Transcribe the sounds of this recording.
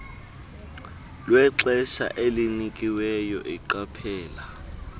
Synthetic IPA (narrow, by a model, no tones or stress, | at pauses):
lwɛǁɛʃa̰ʔelinikʼiwɛjɔ̰ʔiǃapʰɛːla